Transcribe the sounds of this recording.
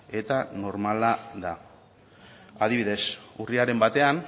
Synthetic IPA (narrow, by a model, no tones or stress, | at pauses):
e̞t̪ano̞ɾmalaða | að̞iβiðe̞suriaɾe̞mbat̪e̞an